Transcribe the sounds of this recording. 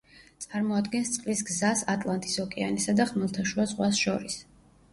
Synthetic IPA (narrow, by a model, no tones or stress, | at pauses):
t̪sʼaɾmɔad̪ɡɛnst̪sʼqʼlisɡzasat̪ʼlˠant̪ʼisɔkʼɛanisad̪aχmɛlˠt̪ʰaʃuazʁwasʃɔɾis